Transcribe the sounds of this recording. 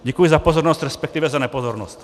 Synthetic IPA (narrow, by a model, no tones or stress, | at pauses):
ɟɛkujizapɔzɔɾnɔzcɾɛspɛk̚t̪iːʋɛzanɛpɔzɔɾnɔ̰sc